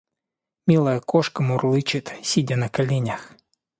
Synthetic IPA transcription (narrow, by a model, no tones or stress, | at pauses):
mʲilˠɐjɐkɔʃkɐmʊrlˠɪt͡ʃɪt̪sʲidʲɐnɐkɐlʲinʲɐx